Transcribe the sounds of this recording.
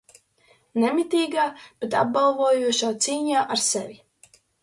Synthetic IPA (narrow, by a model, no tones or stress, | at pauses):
nɛmit̪iːɡaːb̥et̪ab̚ɡalˠvuːjuɔʃaːt̪siːɲaːʔaɾsɛvʲi